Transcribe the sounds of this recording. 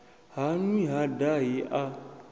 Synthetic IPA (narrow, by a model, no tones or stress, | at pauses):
hanũĩɦadajeʔa